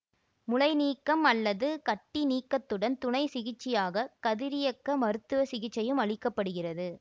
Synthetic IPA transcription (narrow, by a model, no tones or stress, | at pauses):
mʊlɐɪniːkːɐmɐlːɐðɯkɐʈːiniːkːɐt̪ːɯɽɐnt̪ʊɳɐɪsɪɣɪt͡ʃːɪjaːɣɐkɐðɪɾɪjɐkːɐmɐɾɯt̪ːɯʋɐsɪɣɪt͡ʃːɐjɯmɐɭɪkːɐpːɐɽɯɣɪrɐðɯ